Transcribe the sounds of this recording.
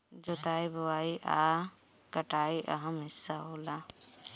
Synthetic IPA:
d͡ʒoːt̪aːiboaːiʔa̰ː | kɐʈaːiʔɐ̰ɦɐmɦɪsːaɦoːla

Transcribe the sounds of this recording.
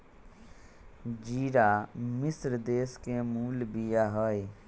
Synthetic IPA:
d͡ʒiːɾaːmɪsɾd̪eːskemuːlbijaːɦoːe

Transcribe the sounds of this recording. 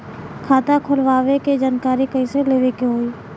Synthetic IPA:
kʰaːt̪akʰʊlʋaːʋeked͡ʒaːnkaːɾikəɪseleːʋekeɦoːiː

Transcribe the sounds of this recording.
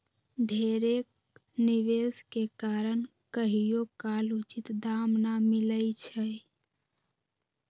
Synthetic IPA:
ɖʱeɾek | niʋeskekaɾənkəɦijokalut͡ʃit̪d̪amnamiləjt͡ʃʰəj

